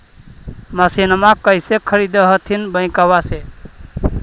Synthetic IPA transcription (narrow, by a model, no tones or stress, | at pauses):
məsinəmakəjsekʰəɾid̪əɦət̪ʰinbəɪ̃kawase